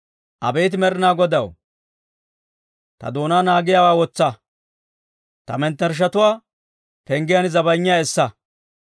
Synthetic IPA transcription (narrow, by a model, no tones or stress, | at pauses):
ʔɐbɛːt̪̬ɪmɛɾɪnaːɡɔd̪ɐw | t̪ɐ̰d̪o̞ːnaːnaːɡɪjawaːwɔt͡sːɐ | t̪ɐmɛnt̪ːɐɾʃ̬ɐt̪ʊwaː | pɛŋɡɪjɐnzɐbɐjɲːɪjaːɛsːɐ